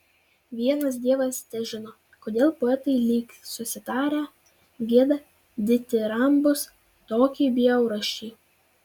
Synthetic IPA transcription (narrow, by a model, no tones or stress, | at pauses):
ʋʲiɛnɐs̬d̪ʲiɛʋɐsnʲɛʒʲɪnoː | koːd̪ʲeːlˠpoːɛt̪ɐɪlʲiːksʊsʲɪt̪ɑːɾʲæː | ɡʲiɛd̪ɐ | d̪ʲɪt̪ʲɪɾɐmbʊs | t̪oːkʲiːbʲɪjɛʊɾɐʃʲiː